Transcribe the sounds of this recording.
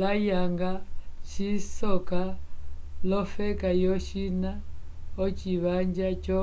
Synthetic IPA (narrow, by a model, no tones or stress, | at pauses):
lajaŋɡat͡ʃisɔka | lɔfɛkajɔʃina | ɔt͡ʃiβaɲd͡ʒat͡ʃɔ